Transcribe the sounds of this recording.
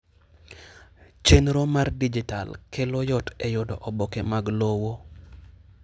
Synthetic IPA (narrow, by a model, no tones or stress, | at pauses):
t͡ʃenɾomardid͡ʒita̰lkʰelojɔtɛjʊdɔʔɔbɔkɛmaɡlowo